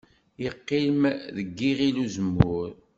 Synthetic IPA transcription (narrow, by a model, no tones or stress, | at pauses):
jəqːilmðəɡːiʁiluzəmːʊɾ